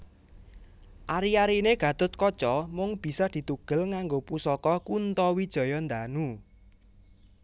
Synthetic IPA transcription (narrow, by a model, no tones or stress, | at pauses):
ʔaɾiaɾineɡ̥ä̤t̪ʊt̪̚kɔt͡ʃɔmʊŋb̥i̤sɔd̪̥i̤t̪uɡ̥ə̤lŋaŋɡopusɔkɔkunt̪ɔwid̥ʒ̥ɔ̤jɔnd̪anu